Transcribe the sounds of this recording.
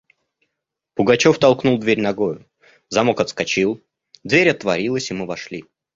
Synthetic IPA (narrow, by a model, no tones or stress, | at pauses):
pʊɡɐt͡ɕo̞ft̪ɐlˠknulˠd̪vʲeɾʲnɐɡo̞jʊ | zɐmokɐt̪skɐt͡ɕilˠ | d̪vʲeɾʲɐt̪vɐɾʲilˠəsʲɪmɨvɐʂlʲi